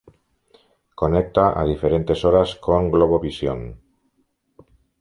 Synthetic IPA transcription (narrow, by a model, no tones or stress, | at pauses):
konek̚t̪aʔa̰ð̞ifeɾent̪e̞soɾaskoŋɡloβoβisjo̰ŋ